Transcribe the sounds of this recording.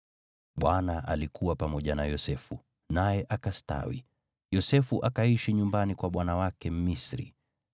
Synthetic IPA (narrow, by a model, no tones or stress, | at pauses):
ɓwanaʔa̰likuwapamɔʄanajɔsɛfu | najɛʔakasta̰wḭ | jɔsɛfuʔakaiʃiɲumbanikwaɓwanawakɛm̩misɾḭ